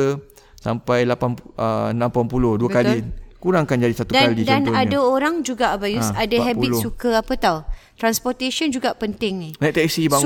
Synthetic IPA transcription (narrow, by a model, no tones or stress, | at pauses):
ə | sa̰mpajlapanəənãmpampulohduakalikuɾaŋakand͡ʒadisat̪udaalidanadaoɾaŋd͡ʒuɡabajusadaɦɛbisukəapət̪awt̪ɾanspɔt̪eʃənd͡ʒuɡaʔpənt̪ɪŋinajt̪ɛsiba